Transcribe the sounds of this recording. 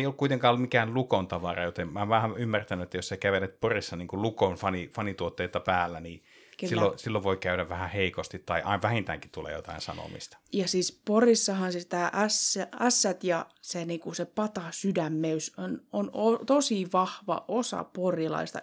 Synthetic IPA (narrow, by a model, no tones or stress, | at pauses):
ejolːukuit̪eŋkɑːolummikæːllukont̪ɑʋɑrɑjot̪emmæʋæhæymːært̪ænyet̪ːæjosekæʋenet̪̚porisːɑniːŋkullukonfɑnifɑnit̪uot̪ːeit̪ɑpæːlːæniː | keiːosilːoʋʋoikæyɾæʋʋæhæheikost̪it̪tɑiʔɑ̰ˑinʋæhint̪æ̰ːŋki̥t̪ulːˑḛjo̰t̪ɑ̰insɑ̰no̰mḭst̪ɑ̥jɑsiːsporisːɑhɑnset̪æːʔæsːææsːæt̪jɑseniːŋkusepɑt̪ɑsydæmːeysononot̪osiʋɑhʋɑ̰ʔosɑ̰porjilɑ̰ist̪ɑ̰